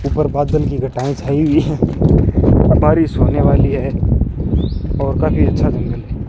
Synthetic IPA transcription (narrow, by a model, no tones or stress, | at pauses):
uːpəɾbaːd̪əlkiɡʱɐʈaːĩt͡ʃʰaːiwi | bʱaːɾisoːneʋaːliɦɛː | ɔːɾkaːfiɐtːʃʰad͡ʒɐ̃nɡəlɦɛː